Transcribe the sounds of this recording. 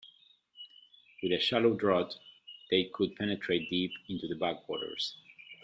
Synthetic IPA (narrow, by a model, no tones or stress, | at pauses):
wɨðɨʃæloʊdɹɔtðeɪkʰʊd̚pʰɛnɨtʰɹ̥eɪt̚d̥ipɪ̃ntuðəbækwɔɾə̰˞z̥